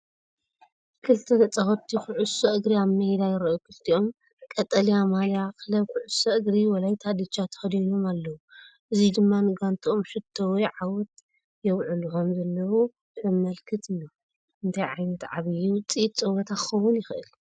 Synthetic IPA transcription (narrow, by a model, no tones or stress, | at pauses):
kʰɨlt̪ʰɐlɐt͡sʼɐxot̪ʰːixuʕusɐʔɨɡɾiaβmɐhed̪ajɪɾɐʔokʰɨlt̪ʰio̞m | kʼɐt̪ʼːɐlijamaljakʰɨlɐβkuʕʊsɐɨɡɾiwɐlajt̪ʰad̪ɨt͡ʃʰːat̪ʰɐ̥xɐd̪ino̞malːɐwuʔɨzid̪ɨmːanɨɡant̪ʰʼiʔo̞mʃɨt̪ʰːowɔjʕawɔt̪ | jɛwʕuluħo̞mzɐlːɐwu | zɨmɐlkʰɨt̪ʰɨjːo | ʔɨnt̪ʰajʕajnɐt̪ʕa̰βijut͡sʼit̪t͡sʼɐwɐt̪ʰakɨxɐwːʊnjɪxʔɨ̰l